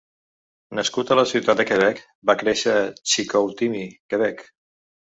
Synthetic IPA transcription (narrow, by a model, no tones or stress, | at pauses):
nəskut̪ələsiwt̪at̪̚d̪əkəβ̞ɛk | bakɾeʃət͡ʃikowt̪imikəβɛk